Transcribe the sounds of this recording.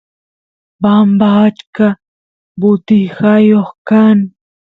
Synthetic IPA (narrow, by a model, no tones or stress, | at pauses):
bambaːt͡ʃka | bʊt̪ɪhajoχkaŋ